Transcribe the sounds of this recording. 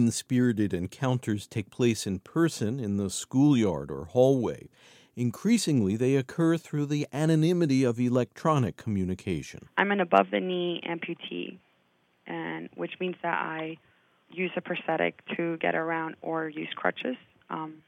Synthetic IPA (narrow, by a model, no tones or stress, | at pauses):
nspɪɹɨɾɨɾɨ̃nkʰãʊ̃ntʰə˞z̥tʰeɪk̚pʰl̥eɪsɨ̃npʰɜ˞sɨ̃nɨ̃nðəskulˠjɑ̰ɹɾə̰˞hɔlˠweɪ | ɨ̃nkʰɹ̥isɪ̃ŋliðeɪɨkʰɜ˞θɹʉðiʔænɨnɪ̃mɨɾiʌvilɛk̚tʰɹ̥ɑnɨkʰːm̩jʉnɨkʰeɪʃɨ̰̃nʔãɪ̃mɨ̃nɨbʌvðɨniɛ̰̃mpʰjʉtʰḭ | ʔɨ̃nwɨt͡ʃmĩnzðɨɾa̰ɪ | jʉzɨpʰə˞θɛɾɨ̰k̚tʰɨɡɛ̰ɾʔə˞ãʊ̃ndə˞jʉ̰z̥kʰɹ̥ʌ̰t͡ʃɨz̥